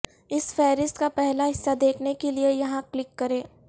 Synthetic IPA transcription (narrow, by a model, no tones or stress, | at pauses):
ɪsfɛːɾɪst̪kapɛɦlaɦɪsːad̪eːkʰnekeliejɐɦãklɪkːɐɾẽː